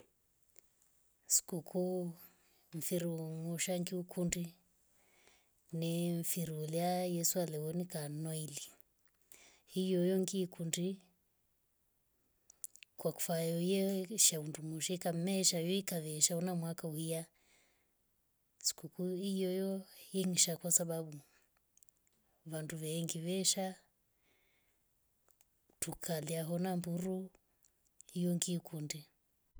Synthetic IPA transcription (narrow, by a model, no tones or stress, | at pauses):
si̥kukʰu | ɱ̩fiɾuŋuʃaŋɡiukʰundi | nɛɱfiɾuliajɛsualɛwɔnikanɔili | hijɔjɔŋɡiːkundi | kwaku̥fajɔjɛʃaundumuʃɛkam̩mɛʃajɔikaðɛʃaɔnamwakauhia | si̥kukuijɔjɔjɛŋiʃakwasaɓaɓu | βanduβɛːŋɡiβɛʃa | tukʰaliaɦɔnambuɾu | hijɔŋɡiːkundi